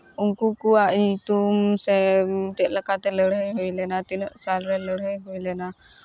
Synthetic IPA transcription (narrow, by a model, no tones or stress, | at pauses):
uŋkukuaʔit̪umsɛt̪əʔləkat̪ɛləɽɦəjɦɔjlɛnat̪inəʔsalɾɛləɽɦəjɦujlɛna